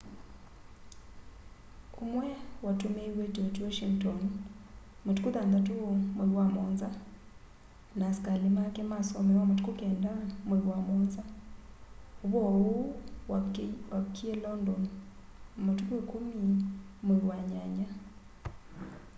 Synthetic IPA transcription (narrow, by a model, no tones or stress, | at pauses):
umwɛwatumeiwetotiwoʃiŋtɔn | motkuðand̪atuomojwamɔnza | naskalimakɛmasɔmɛwamotkukɛndamoɾwamɔnza | oβɔo | wakʰːielɔndɔn | motukekomimowaɲaɲa